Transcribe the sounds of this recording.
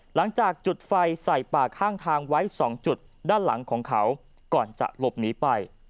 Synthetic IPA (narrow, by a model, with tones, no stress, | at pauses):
la˩˦ŋt͡ɕaː˨˩k̚t͡ɕu˨˩t̪̚fa˧jsa˨˩jpaː˨˩kʰaː˥˩ŋt̪ʰaː˧ŋwa˦˥jsɔː˩˦ŋt͡ɕu˨˩t̪̚ | daː˥˩nla̰˩˦ŋkʰɔː˩˦ŋkʰa˦˥w | kɔː˨˩nt͡ɕa̰˨˩ʔlo˨˩p̚niː˩˦˥pa˧j